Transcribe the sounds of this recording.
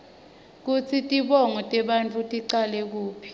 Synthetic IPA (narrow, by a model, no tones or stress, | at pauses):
k̬ut͡sʰitʼiɓɔŋɔtʼɛɓant͡fʰʼutʼiǀalɛk̬uːpʰi̥